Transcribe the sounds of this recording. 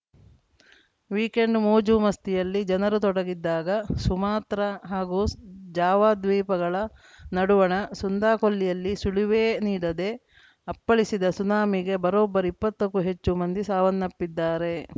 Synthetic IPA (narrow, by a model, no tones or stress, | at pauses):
ʋiːke̞ɳɖmoːd͡ʒuːmɐst̪ijɐlːid͡ʒɐnɐɾut̪̬ɔɽɐɡid̪ːaːɡɐsumaːt̪ɾɐɦaːɡuːd͡ʒaːʋaːd̪ʋiːpɐɡɐɭɐ | nɐɽuʋɐɳɐsund̪aːkolːijɐlːisuɭiʋeːniːɽɐd̪e̞ | ɐpːɐɭisid̪ɐsunaːmiɡe̞bɐɾoːbːɐɾuipːɐt̪ːɐkːuɦe̞t͡ʃːumɐnd̪isaːʋɐnːɐpːid̪ːaːɾe̞